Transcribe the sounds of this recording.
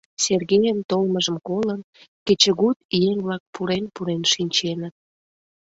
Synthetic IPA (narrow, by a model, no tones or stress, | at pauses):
serɣejənt̪olməʒəmkolən | ket͡ɕəɣut̪ienblɑk̚puɾenpuɾenʃinʲt͡ɕenət̪̚